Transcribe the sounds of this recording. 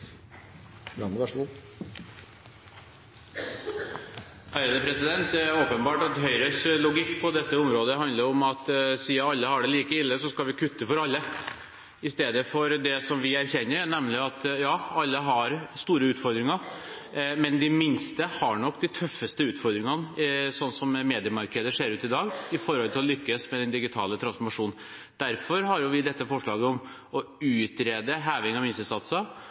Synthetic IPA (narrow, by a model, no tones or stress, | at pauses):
bɾɑnd̪əʋæʂu | æʏəd̪əpʰɾɛsɪd̪ɛnt̪oːpənbɑːʈɑt̪ɦœʏɾəslʊɡɪkːpʰɔd̪ɛt̪ːəʊmɾoːd̪əɦɑnd̪ləɾɔmɑt̪siːɑɑlːəhɑɖɛliːkəɪlːəsɔskɑlʋɪkʰʉt̪ːəfɔɾɑlːə | ɪst̪eːd̪əfɔɾd̪ɛsɔmʋɪæɾçɛnːəɾnɛmlɪɑt̪jɑːɑlːəɦɑɾst̪uːɾəʉːt̪fɔɾd̪ɾɪŋɑ | mɛnd̪ɪmɪnst̪əhɑɳɔkːd̪ɪt̪ʰœfːəst̪əʉːt̪fɔɾd̪ɾɪŋɑnəsɔnːsɔmmeːd̪ɪəmɑɾkəd̪əʂeːɾʉːt̪ɪd̪ɑːɡɪfɔɾhɔlt̪ʰɪlɔlʏkːəsmɛɛnd̪ɪɡɪt̪ʰɑ̰ːlət̪ʰɾɑnsfɔɾmɑʂuːn | d̪̥æɾfɔɾhɑɾjʊʋɪd̪ɛt̪ːəfɔʂɭɑːɡəɔm | ɔʉːt̪ɾeːd̪əɦæːʋɪŋɑʋmɪnsəsɑt̪sə